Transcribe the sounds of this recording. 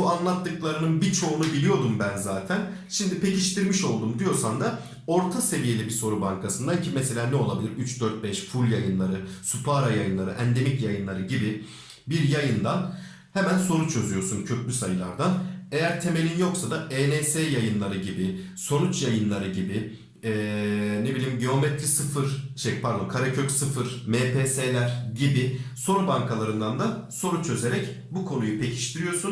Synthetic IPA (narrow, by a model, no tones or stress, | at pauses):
buanlˠat̪ːɯklˠaɾɯnɯnbit͡ʃʰo̞unubilʲijo̞d̪umbænzaːt̪ʰæn | ʃimd̪ipʰe̞cʰiʃt̪ʰiɾmiʃo̞lˠd̪umd̪ijo̞ɾsand̪a | o̞ɾt̪ʰase̞vije̞lʲibiso̞ɾubaŋkʰasɯnd̪aicʰimɛse̞lʲaːnɛo̞lˠabilʲiɾyt͡ʃd̪øɾt̪̚bɛʃfulʲjajɯnlˠaɾɯsupʰaɾajajɯnlˠaɾɯ̰ʔɛnd̪e̞micjajɯnlˠaɾɯɟibi | biɾjajɯnd̪an | hemænso̞ɾut͡ʃʰø̞zyjo̞suncʰø̞clʲysajɯlˠa̰ɾd̪ane̞jæɾt̪ʰe̞me̞lʲinjo̞ksad̪aʔeːneːseːjajɯnlˠaɾɯɟibi | so̞nut͡ʃjajɯnlˠaɾɯɟibi | ɛːne̞bilʲiːmɟio̞mɛt̪ʰɾisɯfɯɾt͡ʃʰɛpʰaɾd̪okʰaɾacʰøcsɯfɯɾmeːpʰeːselʲæɾɟibiso̞ɾubaŋkʰalˠaɾɯnd̪and̪a | so̞ɾut͡ʃʰø̞ze̞ɾɛc | bukʰo̞nujupʰe̞cʰi̥ʃt̪ʰiɾijo̞sun